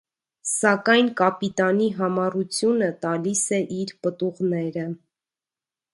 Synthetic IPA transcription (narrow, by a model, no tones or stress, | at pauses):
sɑkɑjnkɑpit̪ɑniɦɑmɑrut͡sʰjunət̪ɑlisɛʔiɾpət̪uʁnɛɾə